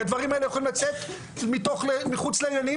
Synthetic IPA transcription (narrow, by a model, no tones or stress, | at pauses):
ad̪vaʁimaelejaxolimlat͡set̪ | mit̪o̞χlemiχut͡sleinani